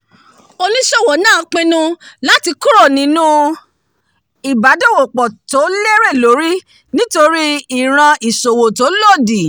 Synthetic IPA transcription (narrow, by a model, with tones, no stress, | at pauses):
o˧nĩ˦ʃɔ˦˨wɔ˨nãː˦˨˦k͡pĩ˦nũ˦la˦ti˧ku˦ɾo˦˨nĩ˨˦nũ˦ | i˨ba˨˦do˦˨wo˨k͡pɔ˨to˨˦le˦ɾe˦˨lo˨˦ɾi˦ | nĩ˦to˧ɾi˦i˦˨ɾ̃ã˧i˨so˨wo˨to˨˦lo˦˨di˨